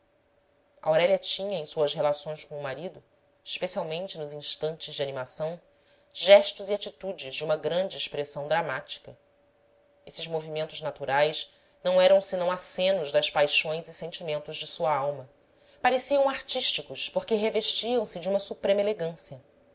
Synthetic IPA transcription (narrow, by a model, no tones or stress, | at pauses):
ʔa̰wɾɛlʲɐt͡ʃĩɲɐẽj̃suɐsɦelasõj̃skõumaɾid̪ʊ | iʃpesiawmẽnt͡ʃɪnʊzĩʃt̪ɐ̃nt͡ʃɪzd͡ʒɪanimasɐ̃w̃ | ʒɛʃt̪uziat͡ʃit̪ud͡ʒɪʒd͡ʒumɐɡɾɐ̃nd͡ʒɪːʃpɾesɐ̃w̃d̪ɾamat͡ʃi̥kɐ | esɪzmovimẽnt̪ʊznat̪uɾajʃ | nɐ̃w̃ɛɾɐ̃w̃sɪnɐ̃w̃asẽnʊzd̪ɐspajʃõj̃zɪsẽnt͡ʃimẽnt̪ʊʒd͡ʒɪsuɐawmɐ | paɾesiɐ̃w̃aɾt͡ʃiʃt͡ʃikʊʃpoɾkeɦeveʃt͡ʃiɐ̃w̃sɪd͡ʒiũmɐsupɾẽmɐeleɡɐ̃siɐ